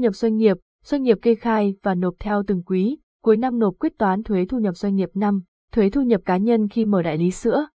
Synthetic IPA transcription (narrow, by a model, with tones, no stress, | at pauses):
ɲə˨˩p̚zwa˧jŋ̟ŋi˨˩əp̚ | z̥wa˧j̟ŋi˨˩əp̚kə˧xaː˧jvaː˨˩no˨˩p̚t̪ʰɛ˧wt̪ɨ˨˩ŋkwi˨˦ | ku˨˦əjna˧mno˨˩p̚kwi˦˥t̚t̪waː˨˦nt̪ʰwe˨˦t̪ʰu˧ɲə˨˩p̚zwa˧jŋ̟ŋi˨˩əp̚na˧m | t̪ʰwe˨˦t̪ʰu˧ɲə˨˩p̚kaː˨˦ɲə˧nxi˧məː˨˩ɗa̰ː˧˨jli˨˦sɨ̰˧˥ə